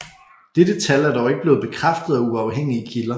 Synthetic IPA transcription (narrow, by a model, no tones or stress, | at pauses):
d̥ed̥ət͡sʰælæɐd̥ɒʊe̝ɡ̥əb̥le̝ːð̩ˠb̥e̝kʰʁafd̥əð̞̩ˠæuɑ̈ʊɦeŋ̰iəkʰilɐ